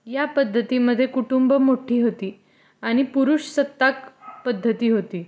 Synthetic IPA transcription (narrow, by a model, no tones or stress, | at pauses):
japəd̪ʱːət̪iːməd̪ʱːjekuʈumbəmoʈʰiːɦot̪iː | aɽ̃ipuɾuɕsət̪ːakpəd̪ʱːət̪iːɦot̪iː